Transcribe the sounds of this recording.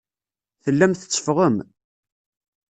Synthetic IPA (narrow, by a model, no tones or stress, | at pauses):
θəlːæmθə̥t͡sːə̥fʁəm